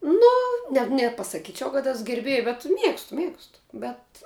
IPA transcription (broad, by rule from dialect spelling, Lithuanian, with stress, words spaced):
ˈnʊ nʲɛ nʲɛpɐsɐˈkʲiːt͡ʃʲɛʊ kɐt ˈɛs ɡʲɛrʲˈbʲeːj bʲɛt ˈmʲiɛkstʊ ˈmʲiɛkstʊ bʲɛt